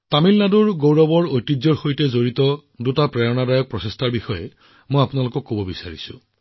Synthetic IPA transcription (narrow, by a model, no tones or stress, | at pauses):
tamilnaduɹɡowɹɔbɔɹojtːizɔɹxojtɛzoɹitɔdutapɹɛjɔnadajɔk̚pɹɔsestʰaɹbixɔjɛ | mojapʊnalʊkɔkːobɔbisaɹisʊ̰